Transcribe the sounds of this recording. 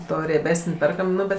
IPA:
ˈtoː rʲiɛˈbʲæːsənʲ ˈpʲɛrkɐm ˈnʊ bʲɛt

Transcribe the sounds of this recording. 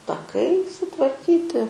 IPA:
tɐˈkɐɪ sʊtʋɐrʲˈkʲiːtʲɪ

